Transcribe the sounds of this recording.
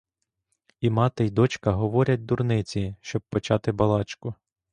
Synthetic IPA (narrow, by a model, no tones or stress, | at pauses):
imɑt̪ɪjd̪ɔt͡ʃkɐɦɔʋɔɾʲɐt̚ʲd̪urnɪt͡sʲiʃt͡ʃɔb̚pːɔt͡ʃɑt̪ɪbɐlˠɑt͡ʃkʊ